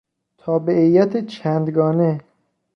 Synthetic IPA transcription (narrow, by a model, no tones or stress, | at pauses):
t̪ʰɒːbeʔijːæt̪ʰet͡ʃʰænd̪ɡɒːne